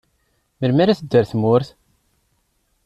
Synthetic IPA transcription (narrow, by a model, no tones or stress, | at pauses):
məlmæɾaθəd̪ːəɾθmʊɾθ